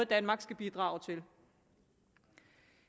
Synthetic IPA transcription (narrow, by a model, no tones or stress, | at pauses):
ð̩ˠd̥ænmɑ̈ɡ̥sɡ̥æb̥id̥ʁɑ̰̈ːʊt͡sʰe̝l